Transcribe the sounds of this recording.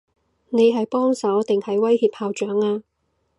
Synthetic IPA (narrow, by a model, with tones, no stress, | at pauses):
ne˨˧jɦɐ˨jpɔː˥ŋsɐ˨˥wt̪ɪ˨ŋhɐ˨jwɐ˥jhiː˨p̚haː˨˧wt͡ʃœː˨˥ŋaː˧